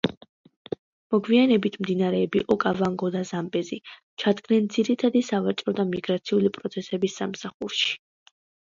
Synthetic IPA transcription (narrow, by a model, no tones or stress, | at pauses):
mɔɡvianɛbit̪ʰmd̪inaɾɛːbiʔɔkʼavaŋɡɔd̪azambɛzi | t͡ʃʰad̪ɡnɛnd̪ziɾit̪ʰad̪isavat͡ʃʼɾɔd̪amiɡɾat̪sʰiulipʼɾɔt̪sʰɛsɛbisːamsaχuɾʃi̥